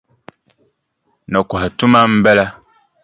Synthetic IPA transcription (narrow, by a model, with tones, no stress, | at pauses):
nɔ˨ka˨ha˨tu˦ma˦m̩˦bɛ˦la˦